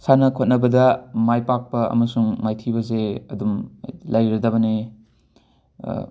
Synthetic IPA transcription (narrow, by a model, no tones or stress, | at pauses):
sanɐkʰot̚nɐbɐdɐmajpak̚pɐɐ̰mɐsuŋmajtʰibɐzeɐdumlɐjɾɐdɐbɐne